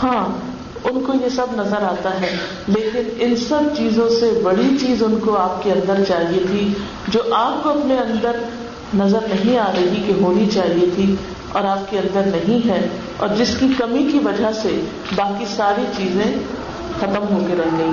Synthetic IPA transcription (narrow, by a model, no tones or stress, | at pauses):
hãː | ʊnkojesɐbnɐzəɾaːt̪aɦɛː | leːkɪnɪnsɐbt͡ʃiːzõsebɐɽit͡ʃiːzʊnkoaːpkeɐ̃nd̪əɾt͡ʃaːɦiet̪ʰi | d͡ʒoːʔaːp̚koɐpneɐ̃nd̪əɾ | nɐzəɾnɐɦĩaːɾɐɦikeɦoːnit͡ʃaːɦiet̪ʰi | ɔ̰ːɾaːpkeɐ̃nd̪əɾnɐɦĩɦɛ | ɔ̰ːɾd͡ʒɪskikɐmikiʋɐd͡ʒaɦse | baːkisaːɾit͡ʃiːzẽ | xɐt̪əmɦoːkeɾɛɦɡɐĩː